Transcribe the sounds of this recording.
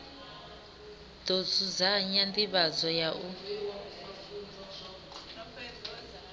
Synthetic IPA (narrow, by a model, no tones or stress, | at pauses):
d̥ozud͡zaɲandiβazɔjaʔu